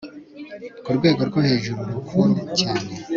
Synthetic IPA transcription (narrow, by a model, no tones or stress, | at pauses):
kuɾɡwe̞ːɡo̞ɾɡohe̞ːʒuɾuɾukʰunicaːne̞